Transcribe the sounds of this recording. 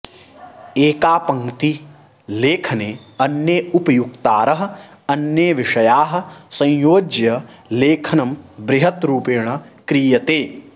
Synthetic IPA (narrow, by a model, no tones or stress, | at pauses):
eːkaːpɐŋt̪i | leːkʰɐneːɐnjeupɐjukt̪aːɾɐɦɐ̆ | ɐnjeːʋiʂɐjaːɦɐ̆sɐ̃jjoːd͡ʒjɐ | leːkʰɐnɐmbɾɪɦɐt̪ɾuːpeːɳ̃ɐ | kɾiːjɐt̪eː